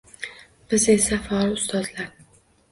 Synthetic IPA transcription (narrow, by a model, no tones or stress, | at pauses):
b̥ɪze̞safɒlʊst̪ɒzlaɾ